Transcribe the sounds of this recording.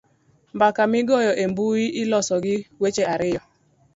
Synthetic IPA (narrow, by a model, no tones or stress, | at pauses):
m̩bakamɪɡɔjɔʔem̩bujiʔɪlɔsɔɡɪwet͡ʃeaɾɪjɔ